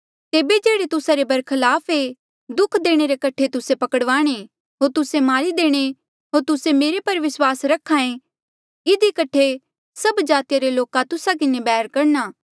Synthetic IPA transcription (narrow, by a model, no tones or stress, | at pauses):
t̪eːbed͡ʒeːɽet̪ʊsaɾebɐɾkʰɐlaːpʰe | d̪ʊkʰd̪eːɽ̃eɾekɐʈʰet̪ʊsepɐkəɽʋaːɽ̃e | ɦoːɾt̪ʊsemaːɾid̪eːɽ̃e | ɦoːɾt̪ʊsemeːɾepɐɾʋɪswaːsɾɐkʰaːẽ | ɪd̪ikɐʈʰe | sɐbd͡ʒaːt̪ijaɾeloːkat̪ʊsak̬ɪnebɛːɦəɾkɐɾnaː